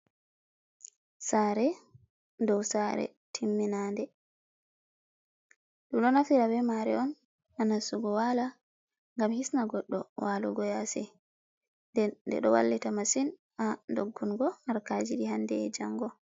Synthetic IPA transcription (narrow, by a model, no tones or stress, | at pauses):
saːɾɛ | dɔwsaɾɛ̰ | tʰimːinaːndɛ | ɗumɗɔnafiɾabɛmaɾɛ̰ɔn | ʔanasuɡɔwala | ŋɡamhisnaɡɔɗːɔwaluɡɔjasɛ | ndɛdɛ̰ɗɔwa̰lːitamasin | andoɡːunɡɔhaɾkad͡ʒiɗiɦandɛːd͡ʒaŋɡɔ